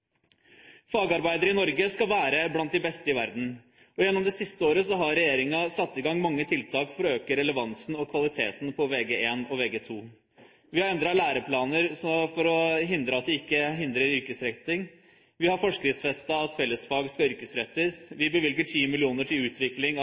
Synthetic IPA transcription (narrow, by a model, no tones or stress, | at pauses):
fɑːɡɑɾbæɪd̪əɾəɪnɔɾɡəskɑlʋæːɾəblɑnt̪̚d̪ɪbɛst̪əɪʋæɾd̪n̩ | ɔjɛnːɔmd̪ɛsɪst̪əoːɾəsɔɦɑɾɾɛjeːɾɪŋɑsɑt̪ːɪɡɑŋːmɑŋːət̪ʰɪlt̪ʰɑːkfɔɾɔøːkəɾɛləʋɑnsn̩ɔkʰʋɑlɪt̪ʰeːt̪n̩pʰɔʋeːɡeeːnɔʋeːɡeːt̪ʰuː | ʋɪhɑɾɛnd̪ɾɑlæːɾəpʰlɑːnəɾsɔfɔɾɔɦɪnd̪ɾəɑt̪̚d̪ɛɪkːəɦɪnd̪ɾəɾʏɾkəsɾɛt̪ɪŋ | ʋɪhɑɾfɔʂkɾɪt̪sfɛst̪ɑɑt̪fɛlːəsfɑːɡskɑʏɾkəsɾɛt̪ːəsʋɪbəʋɪlɡəʈʰiːmɪlɪuːnəʈʰɪlʉːt̪ʰʋɪklɪŋ